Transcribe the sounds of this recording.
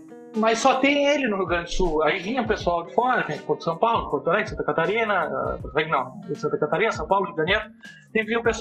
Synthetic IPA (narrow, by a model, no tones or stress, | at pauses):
mɐjssɔt̪ẽj̃elɪnʊɦuɡɾɐ̃nd͡ʒ̪ʊsuaivĩɲɐʊpesuawd̪ɪfɔɾɐt̪ẽj̃ɐk̪ɪpoɾd̪̥sɐ̃w̃pawlʊkoɾt̪oɾajɪsɐ̃nt̪ɐkat̪aɾĩnɐ̰povɛknɐ̃w̃sɐ̃nt̪ɐkat̪aɾĩnɐsɐ̃w̃pawlʊɪɡɐnieɾʊ | t̪ẽj̃kɪviʊ̃pes